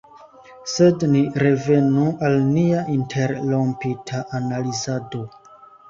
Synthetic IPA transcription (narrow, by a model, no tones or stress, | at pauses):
se̞dniɾe̞ve̞nuʔalniaʔintʰe̞ɾlompitʰaʔanalizado̞